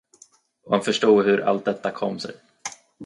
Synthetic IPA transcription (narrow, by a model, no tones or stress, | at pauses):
ɔhanfœʂʈuːɡhɵɾʔa̰lt̪̚d̪ɛt̪ːakʰɔmːsɛ̰j